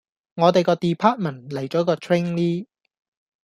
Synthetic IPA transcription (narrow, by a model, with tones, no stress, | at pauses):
ŋɔː˨˧t̪e˨jkɔː˧t̪iː˨pʰaː˥t̚mɐ˨˩nlɐ˨˩jt͡ʃɔː˨˥kɔː˧t̪ʰɹe˥ŋliː˥